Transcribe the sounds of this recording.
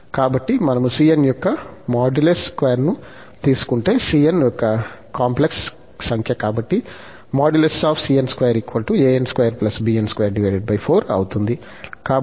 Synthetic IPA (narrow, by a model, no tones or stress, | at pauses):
kaːbɐʈːimɐnɐmusiːenjɔkːɐmaːɖuleskʋeːɐɾnu | t̪iːsu̥kuɳʈe̞ːsiːjenjɔkːɐkaːmpleksː | ɐŋkʰjɐkaːbɐʈːi | maːɖjulesaːpʰsiːjenskʋɐːjɐɾikːuʋɐlʈueːenskʋɐjɐɾplɐsbiːenskʋɐjɐɾɖiʋɐːɖeɖ̚bɐjpʰoːɾɐ̰wut̪und̪i | kaː